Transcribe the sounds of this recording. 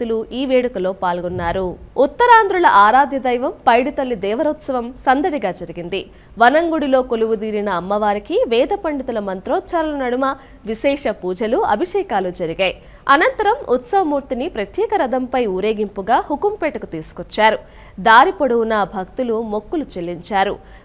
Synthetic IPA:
t̪uluiːʋeːɽɐkɐlo̞ːpaːlɡunːaːɾuut̪ːɐɾaːnd̪ɾulɐ̰ʔaːɾaːd̪ʱjɐd̪ɐjʋɐmpɐjɽut̪ɐlːid̪ɛːʋɐɾɐt̪sɐʋɐmsɐnd̪ɐɽiɡaːd͡ʒɐɾiɡind̪i | ʋɐnɐŋɡuɽilo̞ːkoluʋud̪iːɾinɐːmːɐʋaːɾikiʋɛːd̪ɐpɐɳɖit̪ulɐmɐnt̪ɾɔːt̪t͡ʃaɾulɐnɐɽumɐ | ʋiʃɛːʂɐpuːd͡ʒɐluɐ̰bʱiʂɛːkaːlud͡ʒɐɾiɡaːj | ɐnɐnt̪ɐɾɐmut̪sɐʋɐmuːɾt̪inipɾɐt̪jɛːkɐɾɐd̪ʱɐmpɐjuːɾe̞ːɡimpuɡaːhukumpɛːʈɐkut̪iːsu̥kɔt͡ʃːaːɾu | d̪aːɾipɐɽuwunɐbʱɐkt̪ulumo̞kːulut͡ʃelːiɲt͡ʃaːɾu

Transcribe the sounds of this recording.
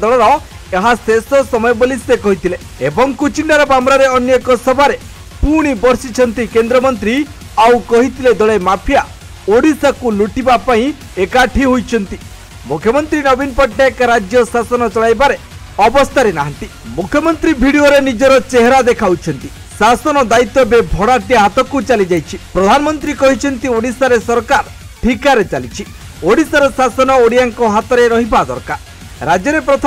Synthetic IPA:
d̪ɔɭɔɾɔ | eɦasesɔsɔmɔjɔbolisekɔɦit̪ʰile | ebɔŋkut͡ʃiɳɖaɾɔbamɾaɾeɔnjekɔsɔbʱaɾe | puɽ̃ibɔɾsit͡ʃʰɔnt̪ikend̪ɾɔmɔnt̪ɾi | awkɔɦit̪ʰiled̪ɔɭemapʰija | oɽisakuluʈibapaĩ | ekaʈʰiɦujt͡ʃʰɔnt̪i | mukʰjɔmɔnt̪ɾinɔbinpɔʈʰːeekɾad͡ʒjɔsasɔnɔt͡ʃɔɭajbaɾe | ɔbɔst̪ʰaɾenaɦant̪i | mukʰjɔmɔnt̪ɾibʱiɽioɾenid͡ʒɔɾɔt͡ʃeɦeɾad̪ekʰawt͡ʃʰɔnt̪i | sasɔnɔd̪ait̪ːɔbebʱɔɽaʈiaɦat̪ɔkut͡ʃalid͡ʒajt͡ʃʰipɾɔd̪ʱanɔmɔnt̪ɾikɔɦit͡ʃʰɔnt̪ioɽisaɾesɔɾkaɾ | ʈʰikaɾet͡ʃalit͡ʃʰi | oɽisaɾɔsasɔnɔoɽijaŋkɔɦat̪ɔɾeɾɔɦibad̪ɔ̰ɾkaɾ | ɾad͡ʒjɔɾepɾɔt̪ʰ

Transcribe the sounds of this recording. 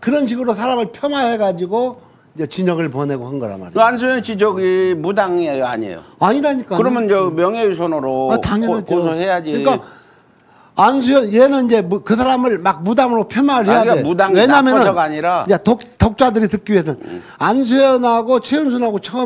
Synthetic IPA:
kɯɾʌnɕ̬ʰiɡɯɾos̬ʰaɾamɯɭpʰjʌnahe̞ɡad͡ʑiɡo | ind͡ʑe̞t͡ɕiɲʌɡɯɭpʌne̞ɡohanɡʌɾa̰ma̰ɾeansʰujʌnt͡ɕid͡ʑʌɡimudaŋea̰ɲḛjo̰aɲiɾaɲik͈akɯɾʌmjʌnd͡ʑemjʌŋeisʰonɯɾoataŋjnaad͡ʑosʰʌhejad͡ʑiɯɲik͈a | ansʰujʌnjenɯnind͡ʑe̞mkɯs̬ʰaɾamɯɭmak̚mudamɯɾopʰjʌnwaɾɯɭhejaemudaŋweɲamjʌnɯnaɡaɲiɾaetoktʌk̚t͡ɕ͈adɯɾitɯk͈iɥiesʰʌn | ansʰejʌnɦaɡot͡ɕʰeuns̬ʰunɦaɡot͡ɕʰʌ

